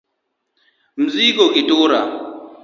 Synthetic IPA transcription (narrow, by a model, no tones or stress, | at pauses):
m̩zikokitoːɾa